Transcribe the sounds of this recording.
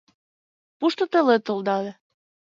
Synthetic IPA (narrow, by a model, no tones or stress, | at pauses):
puʃt̪ŏt̪ə̆let̪old̪ɑd̪e